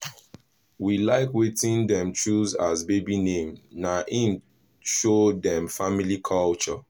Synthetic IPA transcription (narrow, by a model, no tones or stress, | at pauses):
wilaɪkwetĩndɛ̃mt͡ʃuzazbebinẽmnaʔĩn | ʃodɛ̃mfamilikʰɔlt͡ʃɔ